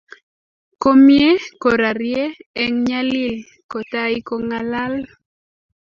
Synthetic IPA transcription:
ko˦mjɛ˦kɔ˨ɾa˨ɾjɛ˦ɛ˦ŋɲa˦li˦˨l | kɔ˨ta˦jkɔ˨ŋa˨la˦l

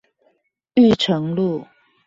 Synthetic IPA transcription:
yi˥˩ʈ͡ʂʰɤ˨˦ŋlu˥˩˨

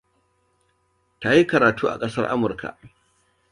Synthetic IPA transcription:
ta˦ji˦kɐ˨ɾaː˨tuː˦ʔa̰˨kʼɐ˦sɐ̰˦rʔa̰˦mʊ˨rka̰˨ʔ

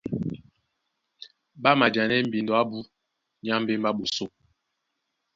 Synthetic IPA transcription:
ba˦ma˨d͡ʒa˨nɛ˦m̩˦bi˨n˨dɔ˨a˦bu˦ | ɲa˦m˦be˦m˦ba˦ɓo˨so˦˨

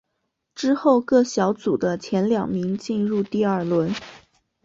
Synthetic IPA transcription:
ʈ͡ʂɻ̩˥xo˥˧ʊkɤ˥˩ɕjɑ˧˥ʊt͡su˨˩d̪ə˦t͡ɕʰjɛ˧˥nljɑ˨˩ŋmi˧˥ŋt͡ɕi˥˧nɻu˥˧t̪i˥˧ə˞˨˩lwə˧˥n

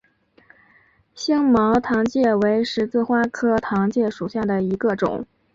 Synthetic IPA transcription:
ɕji˥ŋmɑ˧˥ʊt̪ʰɑ˧˥ŋt͡ɕjɛ˥˩we˧˥ɪʂɻ̩˧˥t͡sɹ̩˥˧xwa˥kʰɤ˥t̪ʰɑ˧˥ŋt͡ɕjɛ˥˩ʂu˨˩ɕja˥˩d̪ə˩i˧˥ɡə˧ʈ͡ʂʊ̰˨˩˦ŋ

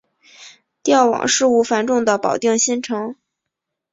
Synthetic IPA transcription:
t̪jɑ˥˩ʊwɑ̰˨˩ŋʂɻ̩˥˩˧u˥˩fa˧˥nʈ͡ʂʊ˥˩ŋd̪ə˩pɑ̰˨˩ʊt̪ji˥˩ŋɕi˥nʈ͡ʂʰɤ˧˥ŋ

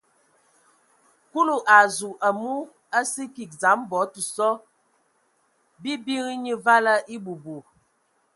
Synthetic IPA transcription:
ku˦lu˨ʔa˨zu˨ʔa˨mu˦ | a˦si˦ki˨k̚d͡za˨˦mbɔ˨˦tu˨sɔ˦ | bi˦bi˦ɣi˦ɲi˦va˦lə˦ʔi˦bu˨bu˨

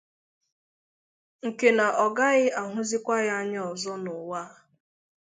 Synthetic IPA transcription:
ŋ̩˨ke˨na˨ʔɔ˨ɡa˦ɣɪ˦a˨ɦʊ˦zi˦kʷa˦ɣa˦ɲ˦ɔ˨zɔ˦nʊ˨wa˦

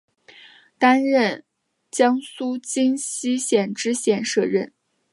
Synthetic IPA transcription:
t̪a˥nɻə˥˩n | t͡ɕjɑ˥ŋsu˥t͡ɕi˥ŋɕi˥ɕjɛ˨˩nʈ͡ʂɻ̩˥ɕjɛ˨˩nʂɤ˥˩ɻə˥˩n

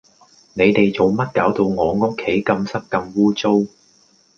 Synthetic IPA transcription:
ne˨˧jt̪e˨jt͡so˨wmɐ˥t̚kaː˨˥wt̪o˧wŋɔː˨˧ŋʊ˥kʰːe˨˥jkɐ˧msɐ˥kːɐ˧mwuː˥t͡so˥w

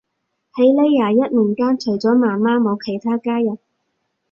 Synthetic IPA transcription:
he˨˧˥jle˥jːaː˨˩jɐ˥t̚miː˨˩nkaː˥nt͡ʃʰɵ˨˩jt͡sɔː˨˥maː˨˩maː˥mo˨˧wkʰe˨˩jt̪ʰaː˥kaː˥jɐ˨˩n̚

